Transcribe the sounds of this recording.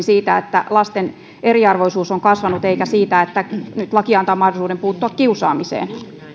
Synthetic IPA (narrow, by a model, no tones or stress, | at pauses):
nsiːt̪æet̪ːæ̰lɑst̪en | eriɑrʋoisuːsoŋkɑsʋɑnut̪eikæsiːt̪æet̪ːænyt̪lɑkiɑnt̪ɑːmɑhdolisuːdempuːt̪ːuɑkkiusɑːmisḛːn